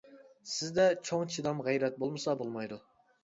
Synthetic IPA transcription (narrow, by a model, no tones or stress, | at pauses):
sɪzd̪ɛt͡ʃʰoŋt͡ʃʰid̪ɑmʁɛjɾɛt̪̚bolˠmɨsɑbolˠmɑjd̪u